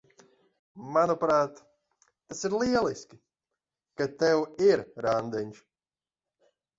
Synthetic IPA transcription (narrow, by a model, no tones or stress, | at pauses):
manɔpɾaːt̪ː | asiɾliɛlˠiskʲi | kat̪ɛwiɾɾand̪ɛnʲt͡ʃ